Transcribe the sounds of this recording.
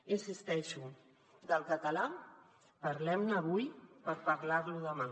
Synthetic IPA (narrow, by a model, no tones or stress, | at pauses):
insist̪ɛʃu | d̪əlˠkət̪əla | pəɾlɛmnəβ̞ujpəɾpəɾlaɾluðəma